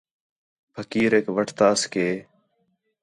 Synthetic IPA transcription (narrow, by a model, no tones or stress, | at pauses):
pʰəkiːɾeːkʋəʈʰt̪aːskeː